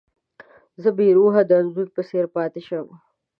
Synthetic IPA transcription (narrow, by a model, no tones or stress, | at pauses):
zəbiːɾuːɦad̪anzuɾpəseɾpɑːt̪eʃɐm